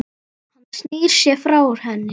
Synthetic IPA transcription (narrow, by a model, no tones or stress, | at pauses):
hanːḁsniːɾ̥sjɛfɾawʏɾ̥hɛnːɪ